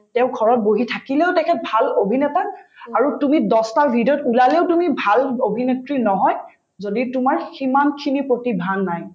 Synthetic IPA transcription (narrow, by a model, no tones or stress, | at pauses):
tɛʊ̃ɡʱɔɹɔt̚boɦitʰakileʊtɛkʰɛt̚bʱalobʱinɛtaaɹutumidɔstabidɔtulaleʊtumibʱalobʱinetɹinɔɦɔj | zoditumaɹhimankʰinipɹotibʱanːaj